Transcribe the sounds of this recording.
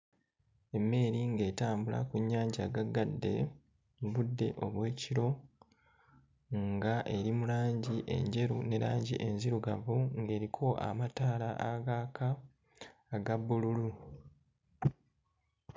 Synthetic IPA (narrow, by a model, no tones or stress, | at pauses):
e̞mːe̞ːɾiŋɡe̞ːtaːmbula̰kuɲːaːɲɟaɡaɡadːe̞̰ | βudːe̞̰ʔo̞βwe̞ːciɾo̞ | ŋɡaʔe̞ɾimulaːɲɟiʔe̞̰ɲɟe̞ɾune̞ɾaːɲɟḭʔe̞nziɾuɡavuŋɡe̞ːɾikʰo̞ʔa̰mataːla̰ʔaɡaːkʰaː | ɡabːululu